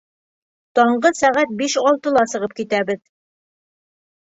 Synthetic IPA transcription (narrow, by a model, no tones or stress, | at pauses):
t̪ɒɴɢɤsæʁæt̪̚biʃɒlˠt̪ɤ̆lˠɑsɤ̆ʁɤp̚kit̪æbɘð